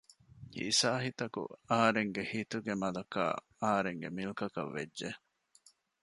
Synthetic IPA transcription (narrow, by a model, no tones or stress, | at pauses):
ḭːsaːɦit̪ɐkṵɐɦɐɾeŋɡehit̪uɡemɐlɐka̰ː | ɐɦɐɾeŋɡemilkɐkɐ̰ʋːḛdʒe